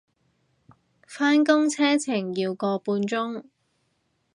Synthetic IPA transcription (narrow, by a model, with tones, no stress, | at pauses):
faː˥nkʊ˥ŋt͡sʰɛː˥t͡sʰɪ˨˩ŋjiː˧wkɔː˧puː˧nt͡sʊ˥ŋ